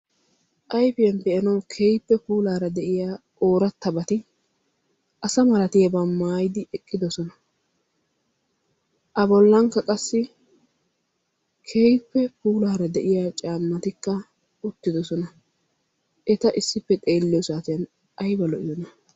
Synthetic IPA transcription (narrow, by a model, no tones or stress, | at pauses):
ʔɐjfɪjɐnd̪ɛjɐnɐwkʰeːjpːɛpuːlaːɾɐd̪ɛʔɪjaːʔoːɾɐt̪ːɐbɐt̪ɪ | ʔɐsɐmɐɾɐt̪ɪjɐbɐːaːjɪd̪ɪʔɛkʼːɪd̪ɔsɔnɐ | ʔɐbɔlːɐŋkːɐkʼɐsːɪ | kʰejpːɛpuːlaːɾɐd̪ɛʔɪjaːt͡ʃʼaːmːɐt̪ɪkːɐ | ʊt̪ːɪd̪ɔsɔnɐ | ʔɛt̪ɐʔɪsːɪpːɛt̪ʼe̞ːlːɪjɔsaːt̪ɪjɐn | ɐjbɐlɔʔɪjɔnɐ